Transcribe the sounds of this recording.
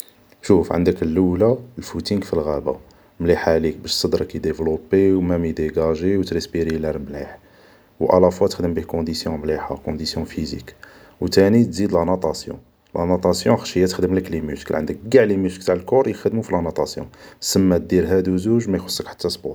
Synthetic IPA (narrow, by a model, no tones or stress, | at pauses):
ʃufʕə̰nd̪əkəlːəwlalfut̪iŋɡfilɣæba̰ | mliħaʕlikbæʃsˤɑd̪ɾˤɑkæd̪evlobiwmæmid̪eɡæʒiwt̪ɾisbiɾilæɾmlḭħ | wʔɑ̰lɑfwɑt̪ə̥xd̪əmbihkɔ̃d̪isjɔ̃mliħa̰kɔ̃d̪isjɔ̃fizḭk | wt̪ænit̪zid̪lɑnɑt̪ˤɑsjɔ̰̃ | lʔɑnot̪ˤɑsjɔ̃xʃəjːæt̪ə̥xd̪əmləklimʊskə̰lʕənd̪ək̚ɡaʕliməsklt̪aʕəlkʊɾˤjəxəd̪mufilʔɑnut̪ˤɑsjɔ̰̃səmːæt̪̚d̪iɾɦæd̪uzuʒmæjxo̥sˤːəkħḁt̪ʰːæsˤbu